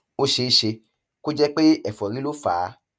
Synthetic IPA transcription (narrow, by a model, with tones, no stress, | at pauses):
o˦ʃe˧i˧ʃe˧ | ko˦d͡ʒɛ˦k͡pe˦ɛ˨fɔ˨ɾĩ˦lo˦faː˨˦